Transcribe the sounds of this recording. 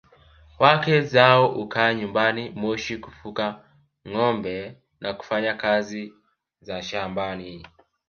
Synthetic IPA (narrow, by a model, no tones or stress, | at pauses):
wakɛzaɔʔukaːɲumbanimɔʃikufuka | ŋɔmbɛ | naku̥faɲakazi | zaʃambani